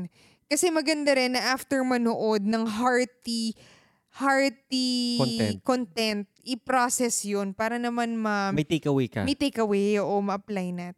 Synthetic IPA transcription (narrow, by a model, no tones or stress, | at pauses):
kɐsɛmɐɡɐnd̪aɾɛnːɐʔaft̪ɛɹmɐnoʔo̞d̪̚nɐŋɦaɹt̪i | haɹt̪iɛ̰kont̪ɛnt̪̚ʔɪpɾosɛsjonpaːɾɐnɐmanmɐmɐjt̪ekɐwekɐ̰mɐjt̪ejkɐwɛoʔomɐʔɐplajnat̪